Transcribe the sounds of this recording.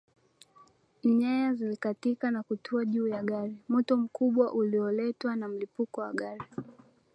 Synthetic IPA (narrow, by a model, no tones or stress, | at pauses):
ɲɛjazilikatikanakutʰuaʄuːjaɠaɾim̩tɔm̩kuɓwaʔuliɔlɛtwanam̩lipukɔwa̰ɠaɾi